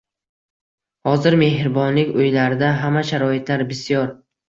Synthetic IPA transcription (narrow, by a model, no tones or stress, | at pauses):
hɒzɪɾme̞ɦɾbɒnlɪkʲɵjlaɾd̪aɦamaʃaɾɒɪt̪ʰlaɾbɪsijɒɾ